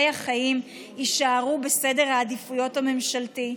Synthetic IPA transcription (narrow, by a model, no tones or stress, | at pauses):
jaχajim | iʃaːʁube̞se̞de̞ʁhaːdifujo̞thame̞mʃalti